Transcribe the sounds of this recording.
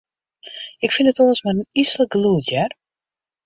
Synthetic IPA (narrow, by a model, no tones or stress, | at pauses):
ɪkfɪnətoːəsmaənisləɡluətjɛr